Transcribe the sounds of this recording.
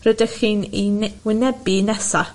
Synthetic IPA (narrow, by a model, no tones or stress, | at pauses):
rədəxiːninwɪnɛbinɛsa